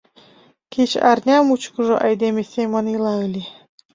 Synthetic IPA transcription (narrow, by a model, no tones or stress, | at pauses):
ket͡ɕɑ̰rnʲɑmut͡ɕkɤ̆ʒoʔɑjd̪emesʲemonilɑɯlʲe